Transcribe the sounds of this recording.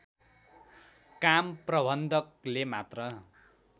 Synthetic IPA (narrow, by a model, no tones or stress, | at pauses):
kamprʌbʱʌnd̪ʱʌk̚lemat̪rʌ